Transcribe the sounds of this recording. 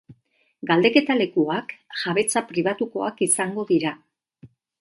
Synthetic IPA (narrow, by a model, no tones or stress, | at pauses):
ɡald̪e̞ke̞t̪ale̞kuakʝaβe̞t͡sapɾiβ̞at̪uko̞akisaŋɡo̞ðiɾa